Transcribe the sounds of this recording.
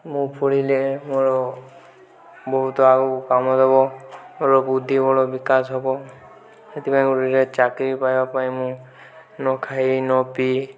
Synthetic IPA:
mũpʰoɽilemoɾɔ | bɔɦut̪ɔaɡɔkamɔd̪ʱɔbɔmoɾɔbud̪ʱːibɔɽɔbikasɦɔbɔ | et̪ipaĩuɾiɾet͡ʃakɾipajbapaĩmũ | nɔkʰajnɔpi

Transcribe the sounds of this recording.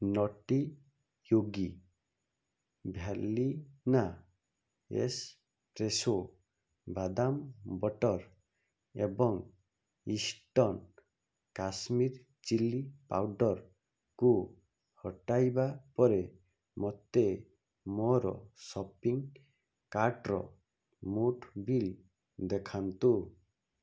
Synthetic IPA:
nɔʈi | joɡi | bʱjalina | ḛs | pɾeso | bad̪ambɔʈɔɾ | ḛbɔŋ | isʈɔn | kasmiɾ | t͡ʃilipa̰wɖɔɾ | ku | hɔʈajbapɔɾe | mɔt̪e | mɔɾɔ̰sɔpiŋ | kaɾʈɾɔ̰ | muʈʰbil | d̪ekʰant̪u

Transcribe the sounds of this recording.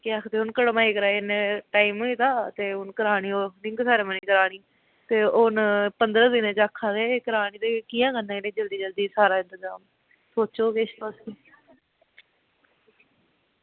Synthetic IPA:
keaːkʰd̪eːʊnkəɽmãːiːkəɾaːineʈaːimiːt̪aːt̪eːʊnkəɾaːɽ̃iːoːnɪŋɡsaːɾeːməniːkəɾaːɽ̃iː | t̪eːʊnpənd̪ɾãːd̪ɪnẽt͡ʃaːkʰːaːd̪eːkəɾaːɽ̃iːt̪eːkiːãːkənãːeːnẽːd͡ʒəld̪iːd͡ʒəld̪iːsaːɾaːɪ̃nt̪əzaːm | soːt͡ʃoːkeʃt̪oski

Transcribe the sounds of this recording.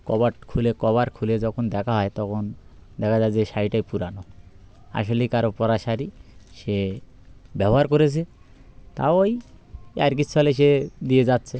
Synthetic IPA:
kɔβaʈkʰulekɔβaɾkʰuled͡ʑɔkʰond̪ɛkʰaɦɔet̪ɔkʰond̪ɛkʰad͡zajd͡ʑeʃajʈajpuɾano | a̰ʃolikaɾopɔɾaʃaɾiʃe | bɛbɔɦaɾkoɾet͡ɕʰe | t̪a̰ooj | aɾk̬it͡ɕʰːualeʃ̬ed̪ied͡ʑatːɕʰe

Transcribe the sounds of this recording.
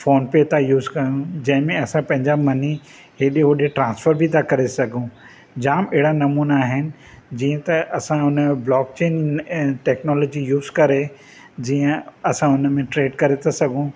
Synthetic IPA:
foːnpet̪ʰajuːzkɐɾijũd͡ʑɐ̃ɦɪ̃mẽɐsãpɐ̃ɦɪ̃ɲd͡ʑaːmɐni | ɦeːɗiɦoɗeʈɾãːnsfəɾbʱit̪ʰakɐɾesɐɡʱũ | d͡ʑaːmɛːɪɽanɐmuːnaːɦɪnɪ̆ | d͡ʑiːə̃t̪ɐʔɐsãʊnəẽblɔːk̚t͡ɕeːnʈɛːknɔːloːd͡ʑijuːzkɐɾe | d͡ʑiːə̃ɐsãʊnəmẽʈɾeːɖkɐɾet̪ʰasɐɡʱũ

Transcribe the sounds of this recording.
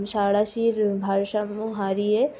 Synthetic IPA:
ʃaːɽaʃiːɾbʱaːɾʃamuɦaːɾie

